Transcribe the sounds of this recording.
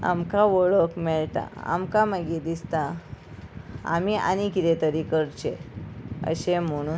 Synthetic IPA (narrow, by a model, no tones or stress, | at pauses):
a̰mkaʋoɭəkmɛɭt̪a̰a̰mkaməɡid̪ist̪a | a̰miʔa̰nikit̪et̪əɾikəɾt͡ɕe | ə̰ɕem̤əɽ̃uː